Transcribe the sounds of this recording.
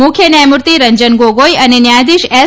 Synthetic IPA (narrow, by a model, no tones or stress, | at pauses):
ʊkʰjənəjmuɾt̪iɾəɲd͡ʒənɡoɡojənenjad̪iʃɛ